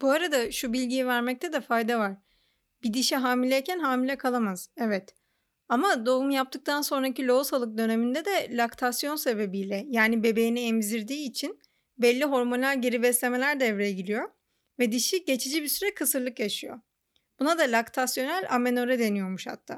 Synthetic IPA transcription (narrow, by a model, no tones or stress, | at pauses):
buaɾad̪aʃubilʲɟijivæɾmɛc̚t̪ʰɛd̪ɛfajd̪avaɾ̥ | bid̪iʃɛɦaːmilʲɛjcʰænɦaːmilʲɛkʰalˠamaz̥ɛvɛt̪ | amad̪oumjap̚t̪ʰɯk̚t̪ʰanso̞nɾacilʲo̞usalˠɯk̚d̪ø̞ne̞mind̪ɛd̪ɛlʲakt̪ʰasjo̞nse̞be̞bijlʲɛjaːnibe̞be̞jiniɛmziɾd̪iːt͡ʃʰin | bɛlʲːiɦo̞ɾmonlʲæɾɟe̞ɾibɛslʲe̞me̞lʲæɾd̪ɛːvɾejɛɟilʲijo̞ | vɛd̪iʃiɟe̞t͡ʃʰid͡ʒibisyɾɛkʰɯsɯɾlˠɯkjaʃɯjo̞̰ | bunad̪alʲakt̪ʰasjo̞nælʲame̞no̞ɾɛd̪e̞nijo̞ɾmuʃha̰t̪ʰːa̰ː